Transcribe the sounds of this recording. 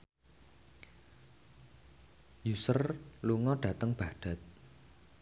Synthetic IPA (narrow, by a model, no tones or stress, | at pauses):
jusərluŋɔɖ̥ä̤t̪əŋb̥a̤ɖ̥a̤t̪̚